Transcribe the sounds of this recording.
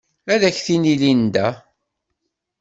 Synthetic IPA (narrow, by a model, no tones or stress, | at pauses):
æðæçθinilind̪æ